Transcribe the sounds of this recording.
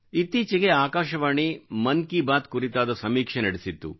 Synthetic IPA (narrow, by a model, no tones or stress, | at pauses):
it̪ːiːt͡ʃɐɡeaːkaːʃɐʋaːɳimɐnkibaːt̪kuɾit̪aːd̪ɐsɐmiːkʂenɐɽesit̪ːṵ